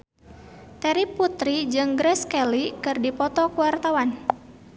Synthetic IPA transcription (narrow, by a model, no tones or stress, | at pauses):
t̪ɛɾipːut̪ɾid͡ʒɨŋɡɾɛskɛlikɨrdipɔt̪ɔkuwart̪awan